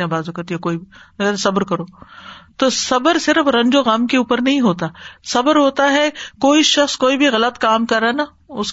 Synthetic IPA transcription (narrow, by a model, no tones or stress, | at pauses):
ãbaːzũkɐɾt̪ijakoːibʱiɐɡt̪esɐbəɾkɐɾoːt̪oːsɐbəɾsɪɾəfɾɐ̃ɲd͡ʒoɣaːmkeuːpəɾnɐɦĩɦoːt̪aːsɐbəɾɦoːt̪aɦɛkoːiʃɐxskoːibʱiɣɐlət̪kaːmkɐɾana | ʊs